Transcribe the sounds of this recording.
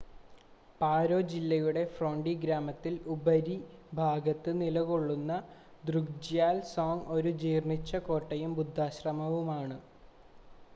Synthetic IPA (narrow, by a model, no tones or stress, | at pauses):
paːɾo̞ːd͡ʑilːɐjuɽe̞froːɳɖiɡɾaːmɐt̪ːilubɐɾibʱaːɡɐt̪ːɨnilɐko̞ɭːunːɐ | d̪ruɡd͡ʑjaːlsoːŋo̞ɾud͡ʑiːrɳit͡ɕːɐko̞ːʈːɐjumbud̪ʱːaːɕrɐmɐʋumaːɳɨ